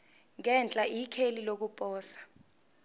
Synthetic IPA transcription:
ŋɛnt͡ɬʼaʔikʰelilok̬upʼɔːsḁ

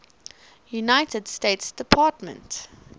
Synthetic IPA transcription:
junaɪtədsteɪtsd̥ɪpʰɑtmə̰̃nt

